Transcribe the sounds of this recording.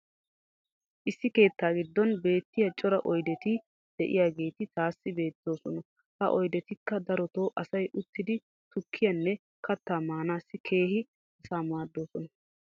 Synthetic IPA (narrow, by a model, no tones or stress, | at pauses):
ʔɪsːɪke̞ːt̪ːaːɡɪd̪ːɔnbe̞ːt̪ːɪjɐt͡ʃʼɔɾɐʔɔjd̪ɛt̪ɪ | d̪̥ɛʔɪ̰jaːɡe̞ːt̪ɪt̪aːsːɪbe̞ːt̪ːo̞ːsɔnɐ | hɐʔɔjd̪ɛt̪ɪkːɐd̪ɐɾɔt̪o̞ːʔɐsɐjʔʊt̪ːɪd̪ɪ | t̪ʊkʰːɪjɐnːɛ | kɐt̪ːaːmaːnaːsːɪkʰe̞ːɦɪ | ɐsaːmaːd̪ːo̞ːsɔnɐ